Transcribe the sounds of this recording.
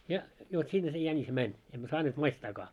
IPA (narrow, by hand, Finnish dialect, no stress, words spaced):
jɑ jo sinːe se jænis mænʲ emːæ sɑːneːt mɑistɑːkɑː